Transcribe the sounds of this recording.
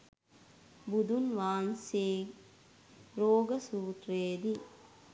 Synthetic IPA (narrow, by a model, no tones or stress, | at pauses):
bud̪unʋaːnseː | ɾoːɡɐsuːt̪ɾeːd̪i